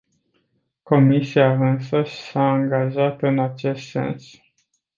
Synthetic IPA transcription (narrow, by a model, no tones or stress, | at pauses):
ko̞misiaɨnsəʃi̥saːŋɡaʒat̪ɨnat͡ʃe̞st̪se̞̰ns